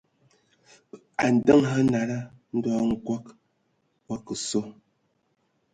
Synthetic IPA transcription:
a˨n̩˨də˦ŋɦa˦na˨ɾa˦n̩˦dɔː˦ŋ̩˨kwa˦k | wa˦kə˨so˦

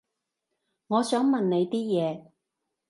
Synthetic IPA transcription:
ŋɔː˨˧sœː˨˥ŋmɐ˨nne˨˧jt̪iː˥jɛː˨˧

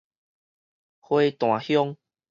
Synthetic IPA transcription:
hwe˦t̪w̃ã˨˩hjɔ˦ŋ

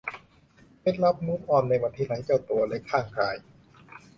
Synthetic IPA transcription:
pe˦˥t̪̚la˦˥p̚muː˦˥mʔɔː˧˩nːa˧jba˧nt̪ʰi˦˥na˧˥jt͡ɕa˥˩wt̪u˧ɐle˦˥kʰaː˥˩ŋkʰaː˧j

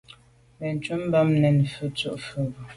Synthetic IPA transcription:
mɛ˨n˨t͡ʃu˦m˦ba˦mnɛ˨nfʉ˨t͡su˨ʔfʉ˨bu˨

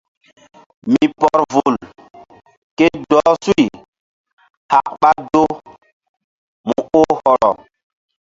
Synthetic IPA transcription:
mi˨pɔ˨ɾvu˨l | ke˦dɔː˨˦su˦i˨ | ha˨k̚ɓa˦do˦ | mu˨o˦hɔ˨lɔ̰˨n

